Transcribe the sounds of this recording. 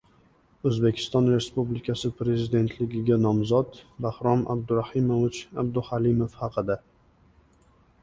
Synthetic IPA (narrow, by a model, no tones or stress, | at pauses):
ɵzbe̞kʲʰɪ̥st̪ɒnɾe̞spublɪkʲʰasɪpɾe̞zɪd̪e̞nt̪ʰlɪɡʲɪɡʲanɒmzɒt̪bahɾɒmʔa̰b̚d̪ʊɾahɪmovʊt͡ʃab̚d̪ʊhalɪmofhɑqʰɨd̪a